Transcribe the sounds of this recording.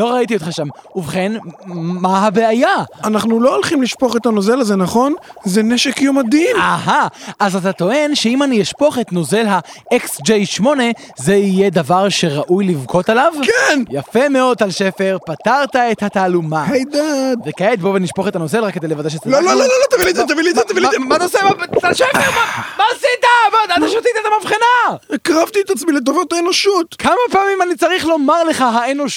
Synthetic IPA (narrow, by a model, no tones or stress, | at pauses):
loʁaitiotχaʃamuvχe̞nmaɦabeajaanaχnuloolχimliʃpo̞χet̪anozelazenaχo̞nzeneʃekjomad̪imaɦaʔazat̪ato̞e̞nʃe̞imanijeʃpo̞χetno̞zelɦaeksd͡ʒejʃmo̞ne̞ | ze̞ijed̪avaʁʃe̞ʁaʔujlivkʰo̞talavkenjafe̞meo̞d̪̚t̪alʃefe̞ʁpat̪aʁt̪aet̪hat̪aːlumahajd̪advekaet̪̚bo̞veniʃpoχetanozelʁakːedejlevadeʃetlololololot̪aviliat̪aviliat̪avilbanosebalʃefeʁbabasid̪abad̪at̪aʃot̪it̪iet̪amafχinakʁavt̪iet̪at͡smilet̪̬ovot̪aenoʃut̪kʰamapaːmimanit͡saʁiχlo̞maʁle̞χaɦaeno̞ʃ